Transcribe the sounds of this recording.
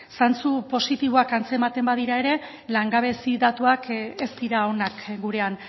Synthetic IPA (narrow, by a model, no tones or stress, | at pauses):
sant͡supo̞sit̪iβo̞akant͡se̞mat̪e̞mbaðiɾaeɾe̞ | laŋɡaβ̞e̞siðat̪uakest̪iɾao̞nakɡuɾe̞an